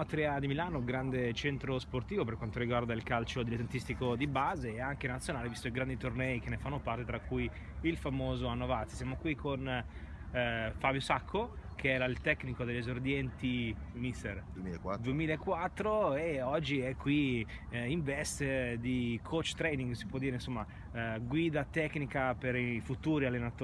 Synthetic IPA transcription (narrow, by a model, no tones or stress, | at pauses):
at̪ɾiad̪imilaːnoɡɾand̪et͡ʃɛnt̪ɾosport̪iːvoperkwant̪oɾiɡward̪ailkalt͡ʃod̪ilet̪ent̪ist̪ikod̪ibaːzeːaŋk̟enat̪sjonaːlevist̪oiɡɾand̪it̪ornɛikenːefanːopart̪et̪ɾakːujilfamoːzoanːovat̪sisjamokwikʰon | fabjosakʰːokʰeɛlalt̪ɛknikod̪eʎːezord̪jɛnt̪imist̪ḛrd̪uemiːlaekːwat̪ːɾoeɔd͡ʒːiɛkʰːwi | iɱvɛst̪d̪ikʰot͡ʃːt̪ɾɛjniŋɡsipwɔd̪iːɾeinsomːa | ɡwiːd̪at̪ɛknikapeɾifut̪uːɾialːenat̪ː